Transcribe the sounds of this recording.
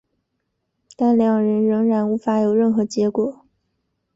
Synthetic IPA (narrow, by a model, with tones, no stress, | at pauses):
t̪a˥˩nljɑ˨˩ŋɻə˧˥nɻɤ˧˥ŋɻa˧˥nu˧˥fa˧˥jo˨˩ʊɻə˥˩nxɤ˧˥t͡ɕjɛ˧˥kwɔ˨˩˦